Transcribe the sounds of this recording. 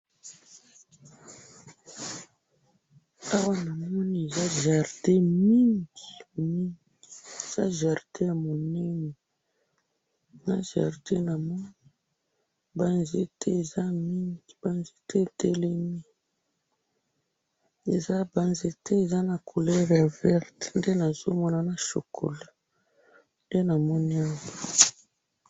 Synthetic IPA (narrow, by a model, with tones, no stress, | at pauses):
a˦wa˦na˨mɔ˦ni˨e˨za˦ʒa˨ʁde˦mi˦ŋɡi˨mi˦ŋɡi˨i˨e˨z̥a˦ʒa˨ʁte˦ja˨mo˨nɛ˦nɛ˨ | na˦ʒa̰˨ʁde˦na˨mɔ˦ni˦˨˦ | ba˦nze˦tʰɛ˦e˨za˦mi˦ŋɡi˨b̥a˦nze˦tʰɛ˦˨te˦le˦mi˦ | e˨za˦ba˦nze˨tʰɛ˦e˨za˦na˨kʰo˨lɛ˦ʁja˨vɛ˦ʁtnde˦na˨z̥o˦mɔ˦na˨na˨ʃo̰˨kʰo̰˨la˨ | nde˦na˨mɔ˦ni˦a˦mbo˨